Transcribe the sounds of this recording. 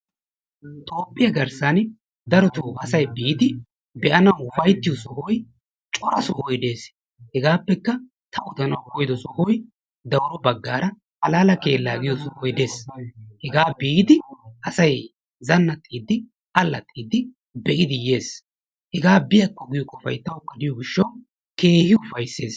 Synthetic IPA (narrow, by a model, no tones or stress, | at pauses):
t̪ʼo̞ːpʼːɪjɐɡɐɾsan | d̪ɐɾɔt̪oːfɐsɐjbiːɪd̪ɪ | bɛʔɐnɐwʊfɐjt̪ːɪjɔsɔhɔj | t͡ʃʼɔɾɐsɔhɔjd̪e̞ːs | hɛɡaːpːɛkːɐ | t̪ʰɐwʊd̪ɐnɐwhɔjd̪ɔsɔhɔj | d̪ɐwɾɔbɐɡːaːɾɐ | hɐlaːlɐke̞ːlːaːɡɪjɔsɔhɔjd̪e̞ːshɛɡaːbiːd̪ɪʔɐsɐj | zɐnːɐt̪ʼːiːd̪ːɪ | ɐlːɐt̪ʼːiːd̪ːɪ | bɛʔɪd̪ɪje̞ːs | hɛɡaːbɪjɐkːɔɡɪjɔkʼːɔfɐ̰jt̪ːɐwkːɐd̪ɪjɔɡɪʃːɐw | ke̞ːhɪʊfɐjsːe̞ːs